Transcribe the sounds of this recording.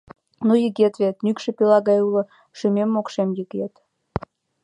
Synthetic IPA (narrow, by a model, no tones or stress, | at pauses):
nujəɡʲet̪vʲet̪nykʃĕpʲilˠɑɣɑjulə̆ | ʃymʲemːokʃemjəɡet̪